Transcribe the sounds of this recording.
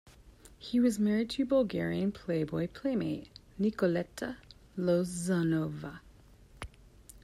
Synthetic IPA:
hiwʌzmɛɹid̚tʰɨbəlˠɡɛɹiɨ̃npʰl̥eɪbɔɪpʰl̥eɪmeɪʔ | nikəlɛtʰəlozanovə

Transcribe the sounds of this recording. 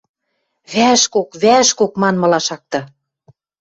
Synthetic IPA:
βæʃkokβæʃkokmɑnmɤ̆lɑʃɑk̚t̪ɤ̆

